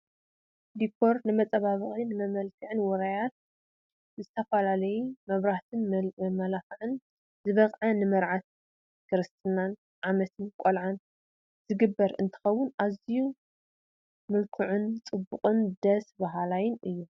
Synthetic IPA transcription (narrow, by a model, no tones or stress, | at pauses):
d̪ikʰo̞ɾnɨmɐt͡sʼɐβaβɨχʼinɨmɐmɐlkʰɨʕɨnwɔɾajat̪̚ | zɨt̪ʰɐfɐlalɐjumɐβɾaht̪ʰɨnmɐlafɨʕɨn | zɨβɐqʼʕɐnɨmɐɾʕat̪ | kʰɨɾɨst̪ʰʼɨnan | ʕamɐt̪ʰɨnkʼolʕan | zɨɡɨbːɐɾɨ̰nt̪ʰɨ̥xɐwːʊnʔaziju | mɨlkʰuʕʊnt͡sʼɨbːʊqʼɨnd̪ɐsbaɦalajɪnɨjːu